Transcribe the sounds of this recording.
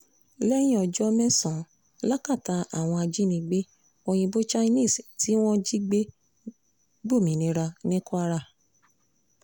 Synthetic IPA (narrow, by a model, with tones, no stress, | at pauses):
lɛ˦j̃ĩ˦ɔ˧d͡ʒɔ˦mɛ̃˦sɔ̃˨ | la˦ka˦˨ta˧a˨w̃ɔ̃˧a˧d͡ʒi˦nĩ˧ɡ͡be˦ | o˧j̃ĩ˧bo˦t͡ʃa˦nĩ˦˨sti˨˦w̃ɔ̃˦d͡ʒi˦ɡ͡be˦ | ɡ͡bo˦˨mĩ˨˦nĩ˧˦ɾa˧nĩ˦ku˦a˧ɾa˧˨